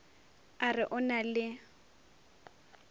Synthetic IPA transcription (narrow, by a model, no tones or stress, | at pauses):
arɪʔʊnalɪ